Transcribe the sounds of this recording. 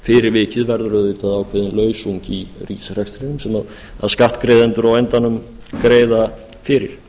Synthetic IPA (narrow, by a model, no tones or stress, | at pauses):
fɪɾɪɾvɪːcɪðvɛɾðʏɾʏðvɪːt̪aðawkʰvɛːðɪnlœːɥsuɲciriːsr̥ɛkst̪ɾenʏmsɛmað | a̰ðskaht̪kɾejðɛnt̪ʏɾawɛnt̪anːʏm | kɾeːjða | fɪɾɪ̰ɾ̥